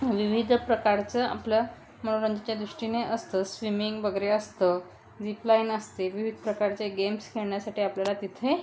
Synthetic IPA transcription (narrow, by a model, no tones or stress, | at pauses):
ʋiʋid̪ʱpɾəkaɾt͡səa̰plə | m̤əɽũɾəɲd͡ʑət͡ɕjad̪ɾuʂʈineʔəst̪əsʋimiŋɡbəɡɾeəst̪ə | d͡ʑiplainəst̪eʋiʋʱid̪ʱpɾəkaɾt͡seɡemskʰeɭɳjasaʈiːapljalat̪it̪ʰe